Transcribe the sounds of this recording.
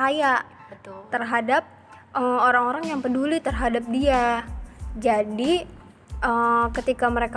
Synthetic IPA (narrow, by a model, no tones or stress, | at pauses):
ajaʔ̪ | t̪ərɦadap̚ | ʔəmoɾaŋoɾaŋjaŋpədulit̪ərɦadap̚dia | d͡ʒadi | ʔəːkət̪ikaməɾeka